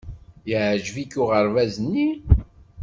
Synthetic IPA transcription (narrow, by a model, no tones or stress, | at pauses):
jəʕʒvikʊʁəɾvæzənːi